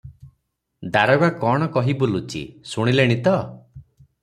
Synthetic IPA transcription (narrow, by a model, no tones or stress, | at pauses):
d̪aɾɔɡakɔɽ̃ɔkɔɦibulut͡ʃḭsuɽ̃ileɽ̃it̪ɔ